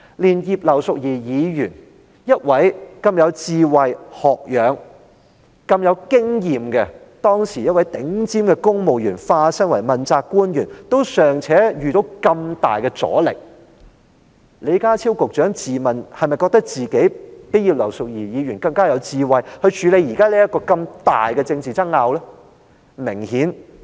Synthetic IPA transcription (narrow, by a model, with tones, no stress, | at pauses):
liː˨˩njiː˧˩p̚lɐ˨˩wsʊ˨k̚jiː˨˩jiː˨˧jyː˨˩n | jɐ˥t̚wɐ˨˥jkɐ˧mjɐ˨˧wt͡siː˧wɐ˨jhɔː˨k̚jœː˨˧ŋ | kɐ˧mjɐ˨˧wkɪ˥ŋjiː˨mkɛ˧ | t̪ɔː˥ŋsiː˨˩jɐ˥t̚wɐ˨˥jt̪ɪ˨˥ŋt͡siː˥mkɛ˧kʊ˥ŋmo˨wjyː˨˩nfaː˧sɐ˥ŋwɐ˨˩jmɐ˨˩nt͡saː˧kːuː˥njyː˨˩nt̪o˥wsœː˨˩ŋt͡sʰɛː˨˥jyː˨˩t̪o˨˧˥wkɐ˧mt̪a̰ː˨jkɛ˧t͡sɔ̰ː˨˥lɪ˨k̚ | le˨˧jkaː˥t͡sʰi˥wkʊ˨k̚t͡ʃœː˨˥ŋt͡siː˨mɐ˨nhɐ˨jmɐ˨jkɔː˧k̚t̪ɐ˥k̚t͡siː˨ke˨˥jpi˥jiː˨˧w̚lɐ˨˩wsʊ˨k̚jiː˨˩jiː˨˧ɥyː˨˩nkɐ˧ŋkaː˥jɐ˨˧wt͡siː˨wɐ˨jhɵ˧ɥt͡ʃʰyː˨˧le˨˧jiː˨˩kaː˥liː˥jɐ˥t̚kːɔː˧kɐ˧mt̪aː˨jkɛ˧t͡sɪ˧ŋt͡siː˨t͡sɐ˥ŋːaː˧wlɛː˥ | mɪ˨˩ŋhiː˨˥n